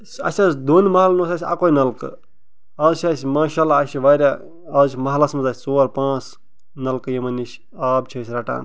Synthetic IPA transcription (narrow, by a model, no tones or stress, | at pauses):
ɐ̰sʲasd̪oːnmɐɦalnoːsaːsʲa̰kojnɐlkɨ̰ | ɐzʃaːsʲmaːʃaːlaːʃiʋaːɾʲaː | ɐt͡ʃʰʲmɐɦlɐsmɐzaːsʲsoːɾpãːt͡s | nɐlkɨjemɐniʃ | aːbt͡ʃʰɐsʲɾɐʈa̰ːn